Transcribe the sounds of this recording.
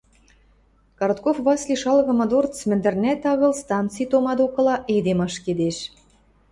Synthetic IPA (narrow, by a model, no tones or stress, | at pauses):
kɑɾt̪kofβɑslʲiʃɑlɣɤ̆mɤ̆d̪ort͡smɘ̆nd̪ɘ̆rnʲæt̪ɑɣɤ̆lst̪ɑnt̪t͡sijt̪omɑd̪okɤ̆lɑʔed̪emɑʃked̪eʃ